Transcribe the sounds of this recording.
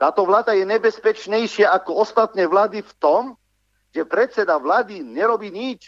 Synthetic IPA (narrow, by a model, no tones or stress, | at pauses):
t̪aːt̪ɔʋlaːd̪ajɛɲɛbɛspɛt͡ʃɲɛjʃɪaʔakɔɔst̪at̪nɛːʋlaːd̪ift̪ɔm | ʒɛpɾɛt̪t͡sɛd̪aʋlaːd̪iɲɛɾɔbiːɲit͡ʃ